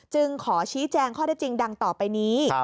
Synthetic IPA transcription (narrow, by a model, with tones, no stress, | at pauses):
t͡ɕɯ˧ŋkʰɔː˩˦t͡ɕʰiː˦˥t͡ɕɛː˧ŋkʰɔː˥˩daː˦˥˩jt͡ɕi˧ŋda˧ŋt̪ɔː˨˩pa˧jniː˦˥